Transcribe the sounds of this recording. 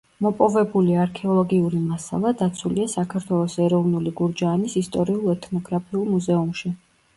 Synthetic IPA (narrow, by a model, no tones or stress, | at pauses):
mɔpʼɔvɛbuliaɾkʰɛɔlˠɔɡiuɾimasa̰lˠad̪at̪sʰuliasakʰaɾt̪ʰwɛlˠɔsɛɾɔvnuliɡuɾd͡ʒaːnisist̪ʼɔɾiulˠɛt̪ʰnɔɡɾapʰiulˠmuzɛumʃi